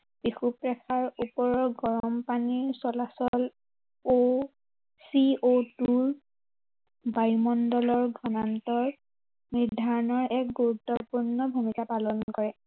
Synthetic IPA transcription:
b̥ixupɹɛkʰaɹupɔɹɔɹɡɔɹɔmpaniɹsɔlasɔl | o | siotuɹ | bajmɔndɔlɔɹɡʱɔnantɔɹ | miɹdʱaɹɔnɔɹɛk̚ɡuɹutːɔpuɹnɔbʱumikapalɔnkɔɹɛ

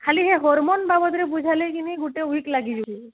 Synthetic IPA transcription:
kʰaliɦeɦɔɾmɔnbabɔt̪ɾebud͡ʒʱalejkiniɡuʈeuiklaɡid͡ʒub

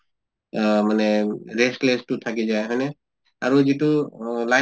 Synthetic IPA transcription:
manɛɾesʈlestut̪ʰakizaeɦɔjnɛ | aɹuzitula

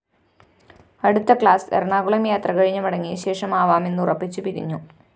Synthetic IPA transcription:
ɐɽut̪ːɐkɭaːsḛrɳaːɡuɭɐmjaːt̪rɐkɐɻiɲːɐmɐɽɐŋːiɕe̞ːʂɐmaːʋaːme̞nːurɐpːit͡ɕːupiɾḭɲːu

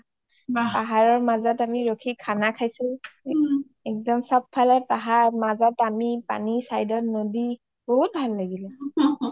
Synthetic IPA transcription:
paɦaɹɔɹmazɔtamiɹokʰikʰanakʰajsʊ̃ | ɛk̚dɔmsap̚pʰːalɛpaɦaɹmazɔtamipa̰nisajdɔtnodi | bɔɦut̚bʱalːaɡilɛ

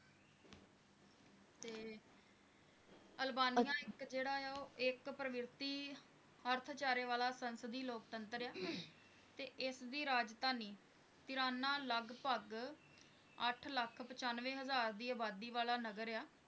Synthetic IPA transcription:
t̪eː | əlbaːnijãːɪkd͡ʒeːɽaːjaːoːʔɪkpɾəʋɪɾt̪iː | əɾt̪ʰt͡ʃaːɾeːʋaːlaːsənsəd̪iːloːk̚t̪ənt̪ɾjaː | t̪eːʔɪsd̪iːɾaːd͡ʒt̪aːniː | t̪ɪɾaːnãːləɡpəɡ | əʈʰləkʰpət͡ʃaːnʋẽːɦəzaːɾd̪iːaːbaːd̪iːʋaːlaːnəɡəɾejaː

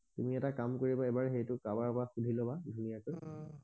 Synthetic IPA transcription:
tumiɛtakamkoɹibaɛbaɹxejtʊkabapɔɹaxudʱilɔbadʱunijakɔj

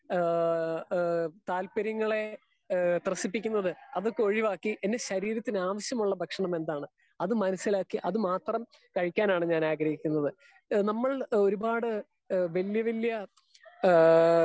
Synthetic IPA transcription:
t̪aːlpɐɾjɐŋːɐɭe̞ | t̪rɐsipːikʲːunːɐðɨɐðokːeoɻiʋaːkːiʔenːeɕɐɾiːɾɐt̪ːinaːʋɐɕjɐmuɭːɐbʱɐkʂɐɳɐme̞nd̪aːɳɨ | ɐðɨmɐnɐsːilaːkːiʔɐðɨmaːt̪rɐm | kɐɻikʲːaːnaːɳɨɲaːnaːɡɾɐɦikʲːun̪ːɐðɨ | nɐmːɐɭo̞ɾubaːɽɨ | ʋɐljɐʋɐljɐ

